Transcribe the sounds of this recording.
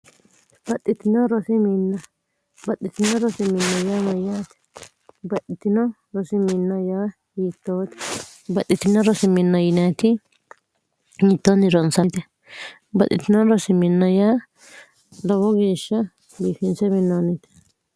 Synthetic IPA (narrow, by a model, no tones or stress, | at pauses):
b̥ɐtʼːɪt̪ːɪnɔɾɔsɪminːɐ | bɐtːɪt̪ːɪnɔɾɔsɪmɪnːɐjaːmɐjaːt̪ɛ̥ | bɐtːɪt̪ːɪnɔ | ɾɔsɪmɪnːɐjaː | jiːt̪ːoːt̪ɛ̥ | bɐtːɪt̪ːɪnɔɾɔsɪmɪnːɐjɪnaːt̪ɪ | jiːt̪ːoːnɪɾɔnsɐt̪ɛ | bɐ̰t̪ʼːɪt̪ːɪnɔɾɔsɪmɪnːɐjaː | lɔwɔɡeːʃːɐ | biːfɪnsɛmɪnːoːnɪt̪ɛ̥